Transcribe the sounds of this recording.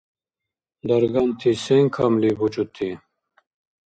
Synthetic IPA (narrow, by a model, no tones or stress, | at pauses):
d̪ɐɾɡɐnt̪ʰiseŋkʰamlibut͡ʃut̪ʰːi